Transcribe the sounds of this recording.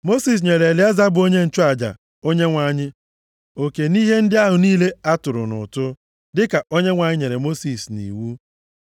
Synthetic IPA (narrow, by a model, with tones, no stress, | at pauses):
mo˦si˨s̬ɲe˨ɾe˨lɪ˦a˦za˦bʊ˨o˦ɲe˦n̩˨t͡ʃʊ˦a˨d͡ʒa̰˨ | o˦ɲe˦ŋʷa˨˦ɲɪ˦ | o˨ke˨ni˦ɦe˦n̩˦dɪ˦a˦ɦʊ˨niː˦le˦a˦tʊ˨ɾʊ̰˨nʊ̰˨tʊ˦ | dɪ˦ka˨o˦ɲe˦ŋʷa˨ɲɪ˦ɲe˨ɾe˨mo˦si˨snḭ˨wu˦